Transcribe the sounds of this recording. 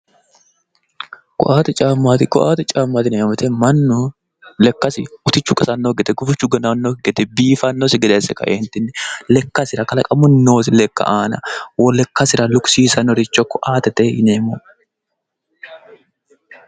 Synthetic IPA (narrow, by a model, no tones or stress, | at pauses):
kʊ̰ʔaːt̪ɛt͡ʃʼaːmːat̪ɪkʊ̰ʔaːt̪ɛt͡ʃʼaːmːat̪ɪneːmɐt̪ɛmɐnːʊ | lɛkːɐsɪʊt̪ɪt͡ʃːʊkʼɐsɐnːoɡɛt̪ɛɡʊfɪt͡ʃːʊɡɐnɐnːoɡɛt̪ɛbiːfɐnːosɪɡɛd̪esɛkɐ̰ʔent̪ɪnːɛlɛkːɐsɪɾɐkɐlɐkʼɐmʊnːoːsɪlɛkːɐ̰ʔaːnɐwɔlɛkːɐsɪɾɐlʊksiːsɐnɔɾɪt͡ʃːɔkːʊʔaːt̪ɛt̪ɛɪneːmɔ